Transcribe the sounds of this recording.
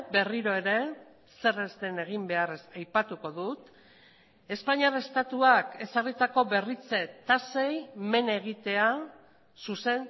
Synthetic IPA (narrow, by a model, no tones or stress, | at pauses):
be̞riɾo̞e̞ɾe̞ | se̞rezt̪e̞ne̞ɣ̞imbe̞arsajpat̪uko̞ðut̪ | e̞spaɲiarest̪at̪uake̞sarit̪ako̞βe̞rit͡se̞t̪ase̞jme̞ne̞ɣ̞it̪e̞a | suse̞n